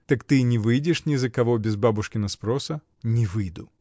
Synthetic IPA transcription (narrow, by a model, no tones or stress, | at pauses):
t̪ɐkt̪ɨnʲɪvɨjdʲɪʂnʲɪzəkɐvobʲɪzbabʊʂkʲɪnɐspɾosə | nʲɪvɨjd̪ʊ